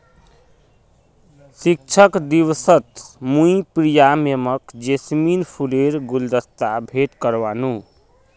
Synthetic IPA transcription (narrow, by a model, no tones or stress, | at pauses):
sik̚t͡ʃʰəkd̪iwsət̪mũipɾijameməkd͡ʒesminpʰuleɾɡuld̪əst̪abʱeʈkəɾʋanu